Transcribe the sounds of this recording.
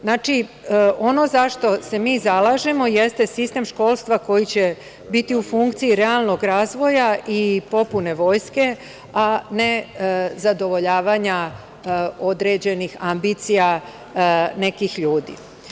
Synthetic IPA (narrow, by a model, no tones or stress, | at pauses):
znaːt͡ʃi | o̞no̞zaʃt̪o̞se̞miːzalˠaːʒe̞mo̞je̞st̪esist̪e̞mʃko̞ːlˠst̪ʋako̞jit͡ɕe | bit̪iufuŋkt̪siiɾealˠno̞ɡɾaːzʋo̞jaʔipo̞pune̞ʋo̞ːjske̞ | ane̞zad̪o̞ʋo̞ʎaːʋaɲa | o̞d̪ɾe̞d͡ʑenixambit̪sija | ne̞kixʎuːd̪ḭ